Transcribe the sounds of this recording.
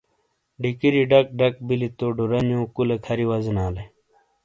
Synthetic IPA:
ɖikiɾiɖɐk̚ɖɐk̚bilit̪oɖuɾɐnjõːkulekʰɐɾiwɐzinaːle

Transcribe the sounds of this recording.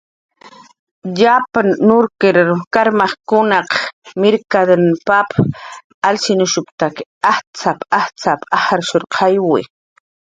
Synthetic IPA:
ʎapanːʊɾkɪɾkaɾmaχkʊnɑqmɪɾkad̪anpap | alsɪnʊʃʊpt̪akaht͡sapʼaht͡sapahaɾʃʊɾqʰɑjwɪ̰

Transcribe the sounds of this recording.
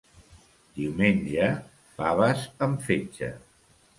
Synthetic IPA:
d̪iwmenʲd͡ʒə | faβəsəɱfet͡ʃə̰

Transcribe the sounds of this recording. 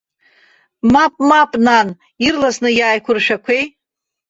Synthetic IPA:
mapʼmapʼnan | irlasnɨjaːjkʷʰʊrʃᶣakʷʰej

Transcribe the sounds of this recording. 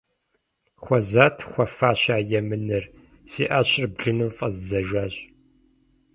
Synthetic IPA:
χʷɔzaːtʰχʷɔfaːɕaːjɛmɨnɨr | siːʔaːɕɪrbɮɨnɨmfʼɐ̰zzɐʒʷaːɕ

